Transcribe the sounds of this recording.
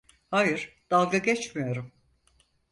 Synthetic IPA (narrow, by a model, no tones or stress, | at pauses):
haːjɯɾ̥d̪̥alˠɡaɟɛt͡ʃmijo̞ɾum